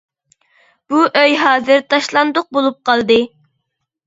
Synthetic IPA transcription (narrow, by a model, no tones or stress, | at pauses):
b̥uʔøjɦɑːzɨɾt̪ʰɑʃlˠɑnd̪ʊq̚bolˠup̚qʰɑlˠd̪ɨ